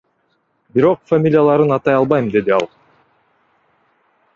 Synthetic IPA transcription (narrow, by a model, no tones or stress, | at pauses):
biɾo̞qfamʲilʲjalˠɑɾɯnɑt̪ɑjɑlˠbɑjmd̪e̞d̪iɑlˠ